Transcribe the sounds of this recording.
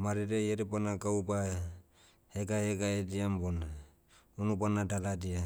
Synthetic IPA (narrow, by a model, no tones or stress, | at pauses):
maɾiɾejeɾɛbanaɡawba | heɡaheɡaediambona | unubanadaladia